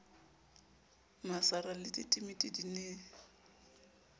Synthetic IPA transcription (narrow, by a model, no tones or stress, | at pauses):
masaralɪtʼɪtʼimɪtʼɪdineː